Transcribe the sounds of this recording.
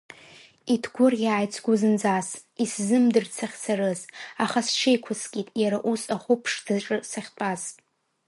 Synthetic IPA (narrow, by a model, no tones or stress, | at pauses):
itʰɡʷʊrʲaːjt͡sʰɡʷʊzɨnd͡zas | iszɨmdɨrsʰaχʲsarɨzaχast͡ʃʰejkʷʰaskʲʼitʼjaɾaʔusaχʷʊpʰʂd̥ɨʈ͡ʂʼɨsaχʲt͡pʼazʼ